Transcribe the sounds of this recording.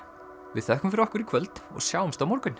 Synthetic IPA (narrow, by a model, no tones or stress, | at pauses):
vɪðθɛhkʏmfɪɾɔhkʏɾikʰvœlt̪ɔ̰ɣsjaːwʏmst̪awmɔɾkʏn